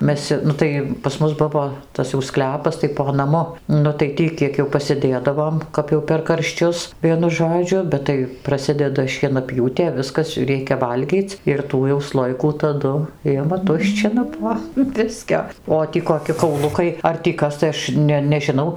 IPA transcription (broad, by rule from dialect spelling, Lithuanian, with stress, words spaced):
ˈmʲɛs ˈnʊ tɐɪ pɐs ˈmʊs ˈbʊʋoː ˈtɐs jɛʊ ˈsklʲæːpɐs tɐɪ poː nɐˈmʊ ˈnʊ tɐɪ ˈtʲiː ˈkʲiɛk jɛʊ pɐsʲɪˈdʲeːdɐʋoːm kɐp jɛʊ pʲɛr kɐrʲʃʲˈt͡ʃʲʊs ˈʋʲiɛnʊ ˈʒoːd͡ʒʲʊ ˈbʲɛt tɐɪ prɐˈsʲɪdʲɛdɐ ʃʲiɛnɐˈpʲjuːtʲeː ˈʋʲɪskɐs ˈrʲɛɪkʲɛ ˈʋɐlʲɡʲiːt͡sʲ ɪr ˈtuː jɛʊ ˈslˠoːjɪkuː tɐˈdʊ ˈɪmɐ ˈtʊʃʲt͡ʃʲɪnɐ poː ˈbʲɪsʲkʲoː oː ˈtʲiː koːˈkʲɪ kɐʊˈlˠʊkɐɪ ɐr tʲiː ˈkɐs tɐɪ ˈɐʃ nʲɛ nʲɛʒʲɪˈnɐʊ